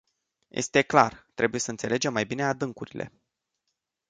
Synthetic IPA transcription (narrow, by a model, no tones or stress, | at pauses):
jʔe̞̰st̪e̞kla̰rt̪ɾʔe̞buje̞səɨnt̪se̞le̞d͡ʒe̞mːajbine̞ad̪ɨŋkuɾilʔe̞̰